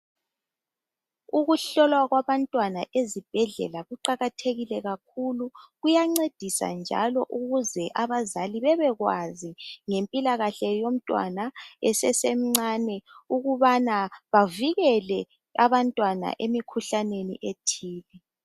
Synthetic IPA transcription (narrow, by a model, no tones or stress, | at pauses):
uɣuɬɔlwaɣwaβantʼwanaʔezib̥ʱɛɮɛ̰laɣuǃaɣatʰeɣilɛɣak̚ʰuluɣujaŋ͡ǀed̥ʱisa̰nd͡ʒʱa̰lɔʔuɣuzɛʔaβazaliβɛβɛɣwaziŋempʼilaɣaɬɛjom̩tʼwa̰naɛsɛsem̩ŋ͡ǀanɛuɣuβanaβaviɣɛlɛ | aβantʼwana̰ʔemikʰuɬanenḭʔetʰiːlɛ